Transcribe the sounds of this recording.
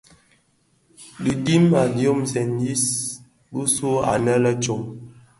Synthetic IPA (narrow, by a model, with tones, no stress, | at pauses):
di˨di˦ma˨djo˦mzɛ˨ndi˦s | bu˦su˦a̰˨nə˦lə˦t͡ʃo˦˨ŋ